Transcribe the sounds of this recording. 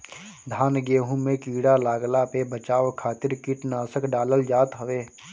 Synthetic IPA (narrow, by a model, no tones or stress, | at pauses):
d̪ʱaːnɡeːɦũmẽkiːɽalaːɡlapebət͡ʃaːʋkʰaːt̪ɪɾkɪʈnaːsəkɖaːləld͡ʒaːt̪ɦəʋeː